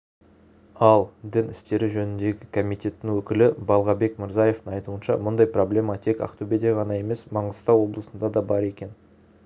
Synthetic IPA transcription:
ɑlˠd̪ɪnɪst̪e̞ɾɪʒɵnɪnd̪e̞ɡʲɪkʰo̞mijt̪ʲe̞t̪ːɪŋwɵkʲɪlɪbɑlˠʁɑbe̞kmɪɾzɑje̞ft̪ɪŋɑjt̪uənʃɑ̰mʊnd̪ɑjpro̞blʲe̞mɑt̪ʰe̞kɑ̰qt̪ubed̪eʁɑnɑje̞me̞smɑɴʁəst̪ɑwo̞blˠəsənd̪ɑd̪ɑbɑɾe̞kʲe̞n

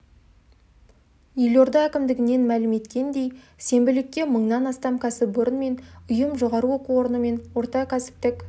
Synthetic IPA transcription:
jelo̞ɾd̪ɑækʲɪmd̪ɪɡʲɪne̞nmælɪme̞t̪kʲe̞nd̪e̞j | se̞mbɪlɪkʲːe̞məɴnɑnɑst̪ɑmkʲʰæsɪpoɾənme̞nʊjəmʒo̞ʁɑɾuwo̞quwo̞ɾənəme̞nwo̞ɾt̪ɑkʲʰæsɪ̥p̚t̪ɪk

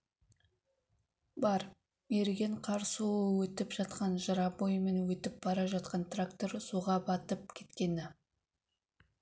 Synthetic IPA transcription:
bɑɾ | me̞ɾɡʲe̞ɴqʰɑɾsuəwɵt̪ɪpʒ̥ɑt̪qɑnʒəɾɑbojme̞nwɵt̪ɪp̚b̥ɑɾɑʒɑt̪̚qɑnt̪rakt̪o̞ɾsuʁɑbɑt̪əp̚kʲʰe̞̥t̪kʲe̞nɪ

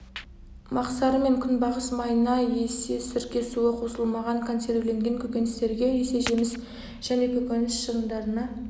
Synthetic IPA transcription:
mɑqsɑɾəme̞ŋkʲʰʏnbɑʁəsmɑjənɑjesesɪɾkʲe̞suəqʰo̞səlˠmɑʁɑŋkʰo̞nse̞rt̪leŋɡʲe̞ŋkʲʰɵkʲe̞nɪst̪e̞ɾɡʲe̞ese̞ʒemɪs | ʒ̥æne̞kʲʰɵkʲenɪsʃəʁənd̪ɑɾənɑ

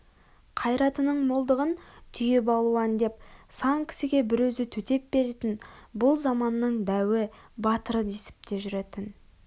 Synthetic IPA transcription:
qʰɑjɾɑt̪ənəɴmolˠd̪əʁənt̪ʰʏjebɑlˠuɑnd̪e̞p̚sɑŋkʲʰɪ̥sɪɡʲe̞bɪɾwɵzɪt̪ʰɵt̪e̞p̚be̞ɾet̪ɪnbʊlˠzɑmɑnːəɴd̪æwɪbɑt̪əɾəd̪esɪ̥p̚t̪e̞ʒʏɾe̞t̪ɪn

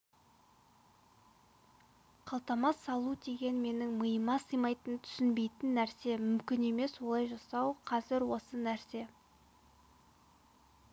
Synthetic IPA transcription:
qʰɑlˠt̪ɑmɑsːɑlˠud̪e̞ɡʲe̞nme̞nɪŋməjəmɑsəjmɑjt̪ənt̪ʰʏ̥sɪnbe̞jt̪ɪnːæɾse̞mʏmkʲɪne̞me̞swo̞lˠɑjʒɑsɑwqʰɑzɪɾwo̞sənæɾse̞

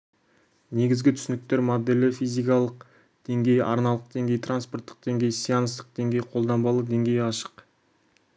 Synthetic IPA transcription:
ne̞ɡʲɪzɡʲɪt̪ʰʏ̥sɪnɪk̚t̪e̞ɾmod̪elɪfijzijkɑlˠəq̚ | d̪̥e̞ŋɡʲe̞jʔɑ̰ɾnɑlˠəq̚d̪e̞ŋɡʲe̞jt̪ʰranspo̞rt̪ːə̥q̚d̪̥e̞ŋɡʲe̞jsijɑnəst̪ə̥q̚d̪̥e̞ŋɡʲe̞jqʰo̞lˠd̪ɑmbɑlˠəd̪e̞ŋɡʲe̞jɑʃə̥q

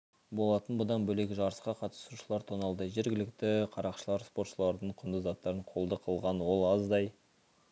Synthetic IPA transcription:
bo̞lˠɑt̪ənbʊd̪ɑnbɵle̞kʲɪʒɑɾəsqɑqʰɑt̪ə̥suʃəlˠɑɾt̪ʰonɑlˠd̪əʒe̞ɾɡʲɪlɪkt̪ɪqʰɑɾɑqʃəlˠɑɾspo̞ɾt̪ʃəlˠɑɾd̪əɴqʰʊnd̪əzɑt̪ːɑɾəɴqʰo̞lˠd̪əqʰəlˠʁɑnwo̞lˠɑzd̪ɑj

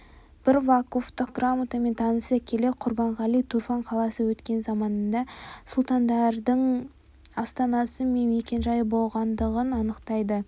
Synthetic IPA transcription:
b̥ɪɾvakoft̪əq̚ɡramut̪ɑme̞nt̪ʰɑnəsəkʲʰe̞le̞qʰʊɾbɑɴʁɑlˠijt̪ʰuɾfɑɴqʰɑlˠɑsəwɵt̪kʲe̞nzɑmɑnd̪ɑsʊlˠt̪ɑnd̪ɑɾd̪əɴ | ɑst̪ɑnɑsəme̞nme̞kʲe̞nʒɑjəbo̞lˠʁɑnd̪əʁənɑnəqt̪ɑjd̪ə

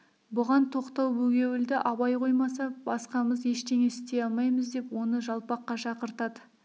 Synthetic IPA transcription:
bʊʁɑnt̪ʰo̞qt̪ɑwbɵɡʲe̞wɪld̪ɪʔɑβɑjqʰo̞jmɑsɑbɑsqɑməzje̞ʃt̪e̞ŋeɪst̪e̞ɑlˠmɑjməzd̪e̞pwo̞nəʒɑlˠpɑqːɑʃɑqəɾt̪ɑd̪ə

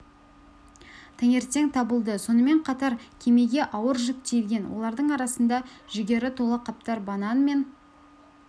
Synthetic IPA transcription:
t̪ʰæŋe̞ɾt̪e̞ŋt̪ʰɑbəlˠd̪əso̞nəme̞ɴqʰɑt̪ɑɾkʲʰe̞me̞ɡʲe̞ʔɑwəɾʒʏk̚t̪ejlʲɡʲe̞nwo̞̰lˠɑɾd̪əɴɑɾɑsənd̪ɑʒʏɡʲe̞ɾɪt̪ʰo̞lˠəqʰɑp̚t̪ɑɾbɑnɑnme̞n

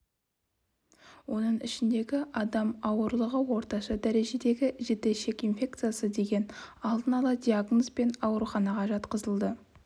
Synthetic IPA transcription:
wo̞nəɴɪʃɪnd̪e̞ɡʲɪʔɑd̪ɑmɑwəɾlˠəʁəwo̞ɾt̪ɑʃɑd̪æɾe̞ʒe̞d̪e̞ɡʲɪʒe̞t̪e̞ʃe̞kʲinfʲe̞k̚t̪sɨjasəd̪e̞ɡʲe̞nɑlˠd̪ənɑlˠɑd̪ʲiaɡno̞spe̞nɑwɾuχɑnɑʁɑʒɑt̪qəzəlˠd̪ə

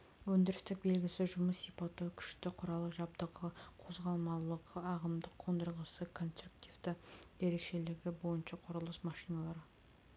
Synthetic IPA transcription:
wɵnd̪ɪɾɪst̪ɪk̚be̞lɡʲɪsɪʒʊməsːijpɑt̪ːukʲʰʏ̥ʃt̪ɪqʰʊɾɑlˠəqʒɑb̚d̪əʁəqʰo̞zʁɑlˠmɑlˠəqəɑʁəmd̪əqʰond̪əɾʁəsəkʰo̞nst̪ɾukt̪ivd̪ɪje̞ɾe̞kʃe̞lɪɡʲɪbo̞jənʃɑqʰʊɾəlˠəsmɑʃijnɑlˠɑɾə

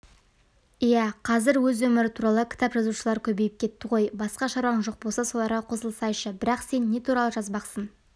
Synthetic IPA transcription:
ijæqʰɑzɪɾwɵzwɵmɪɾɪt̪ʰuɾɑlˠəkʲʰɪ̥t̪ɑpʒɑzuʃəlˠɑɾkʲʰɵbe̞jɪp̚kʲʰe̞t̪ːɪʁo̞jbɑsqɑʃɑɾɑɴʒo̞q̚bo̞lˠsɑso̞lˠɑɾʁɑqʰo̞səlˠsɑjʃəbɪɾɑqse̞nːe̞t̪ʰuɾɑlˠəʒɑzbɑqsən

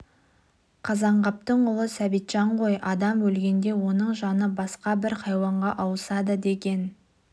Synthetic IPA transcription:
qʰɑzɑɴʁɑp̚t̪əɴʊlˠəsæbijt̪ʒ̥ɑɴqo̞jʔɑd̪ɑmwɵlɡʲe̞nd̪e̞wo̞nəɴʒɑnəbɑsqɑbɪɾhɑjwɑɴʁɑʔɑwəsɑd̪əd̪e̞ɡʲe̞n

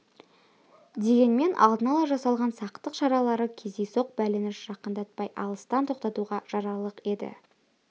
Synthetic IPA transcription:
d̪e̞ɡʲe̞nme̞nʔɑ̰lˠd̪ənɑlˠɑʒɑsɑlˠʁɑnsɑqt̪əqʃɑɾɑlˠɑɾəkʲʰezejso̞q̚bælɪnɪʃʒ̥ɑqənd̪ɑt̪̚pɑjʔɑ̰lˠəst̪ɑnt̪ʰo̞qt̪ɑt̪uʁɑʒ̥ɑɾɑlˠəqe̞d̪ɪ̰

